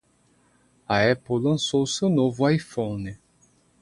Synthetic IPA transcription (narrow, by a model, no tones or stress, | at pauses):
ɐɛpowlɐ̃sowsewnovʊajfõnɪ